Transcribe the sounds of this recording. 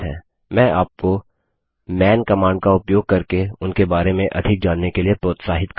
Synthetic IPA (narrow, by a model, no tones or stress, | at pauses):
ɦɛ̰ː | mɛ̃ːʔaːp̚ko | mɛːnkɐmaːɳɖ̚kaʊpjoːɡ̚kɐɾkeʊnkebaːɾemẽʔɐ̰d̪ʱɪk̚d͡ʒaːnːekeliepɾoːt̪saːɦɪt̪k